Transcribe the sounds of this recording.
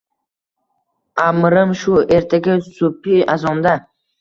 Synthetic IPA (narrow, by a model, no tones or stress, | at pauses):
amɾɨmʃueɾt̪ʰaɡʲɪsupiazɒnd̪a